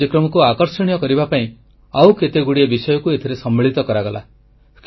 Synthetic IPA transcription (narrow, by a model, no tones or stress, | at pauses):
ikɾɔmɔkuakɔɾsɔɽ̃ijɔkɔɾibapaĩ | awket̪eɡuɽiebisɔjɔkuet̪ʰiɾesɔmːeɭ̤it̪ɔkɔɾaɡɔla̰ | kʰ